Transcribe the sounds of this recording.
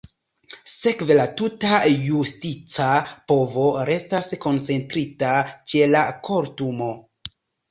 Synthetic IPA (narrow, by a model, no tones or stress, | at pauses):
se̞kve̞latutajustit͡sapo̞vo̞ɾe̞stasko̞nt͡se̞ntɾitat͡ʃe̞lako̞ɾtumo̞